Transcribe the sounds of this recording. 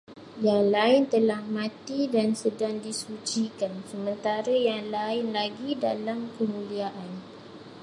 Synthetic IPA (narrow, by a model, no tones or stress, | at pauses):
jaŋlaɪnt̪əlahmãt̪idansədaŋdisud͡ʒikansəmənt̪aɾajaŋlaɪnlaɡidalamkəmũliaʔan